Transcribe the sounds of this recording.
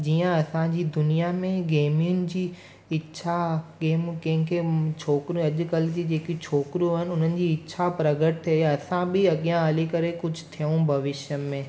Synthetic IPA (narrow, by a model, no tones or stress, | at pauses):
d͡ʑiːə̃ɐsãd͡ʑiːd̪ʊnijamẽɡeːmɪjʊnɪ̆d͡ʑiː | ɪtːʃʰakeːmkɐ̃ɦɪ̃kʰet͡ɕʰoːkɾiũɐʄʊkɐld͡ʑid͡ʑeːkit͡ɕʰoːkɾjũɦɪnɪʊn̤ənɪ̆d͡ʑiːɪtːɕʰapɾɐɡəʈ̚t̪ʰeɐsãbɪɐɠijãaːlikɐɾekʊd͡ʑʱʊt̪ʰijũbʱɐʋɪʃjəmẽː